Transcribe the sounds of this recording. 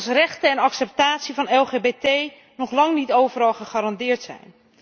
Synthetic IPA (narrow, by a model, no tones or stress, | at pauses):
srɛxtəɛnɑksɛp̚taːtsivɑnɛlˠχeːbeːtej | nɔχlɑŋnitowvərɑlˠχəχaɾɑndɪːɹtsɛ̰jn